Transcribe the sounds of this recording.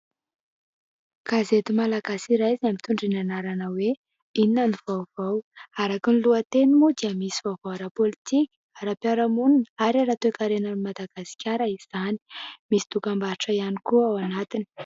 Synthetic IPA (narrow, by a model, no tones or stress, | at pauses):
kazet̪imalaɡasiɾajzeamit̪uɳɖ͡ʐinanaɾanəwe | ininanuvawvawaɾakinluət̪enimud̪iəmisivavawaɾapolit̪ikʲi̥aɾapjaɾamununaɾaɾat̪ekaɾenanimad̪aɡ̥asi̥kʲaɾəiz̥ani̥misi̥t̪ukambaɾiʈ͡ʂəianikuawanat̪ini̥